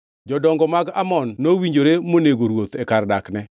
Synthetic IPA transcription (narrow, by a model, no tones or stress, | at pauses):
d͡ʒɔdɔŋɡɔmaɡamɔnːowiɲd͡ʒoɾemoneɡoɾwot̪ɛkardaknɛ